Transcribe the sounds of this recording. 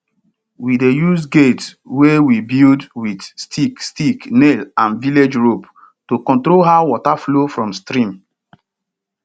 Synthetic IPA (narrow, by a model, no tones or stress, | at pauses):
widejusɡets | wewibildwidstʰikstiknelãnviled͡ʒɹop | tokɔ̃ntɾolɦawɔtaflofɹɔ̃mstɾĩm